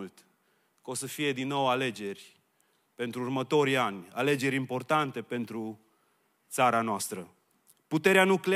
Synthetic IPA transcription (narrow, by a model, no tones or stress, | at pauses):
lt̪ | ko̞səfije̞d̪inːo̞wale̞d͡ʒe̞rʲ | pe̞nt̪ɾuːrmət̪o̞ɾianʲale̞d͡ʒe̞ɾʲimpo̞rt̪ant̪e̞pe̞nt̪ɾu | t̪saɾanoast̪ɾə | put̪e̞ɾeanukle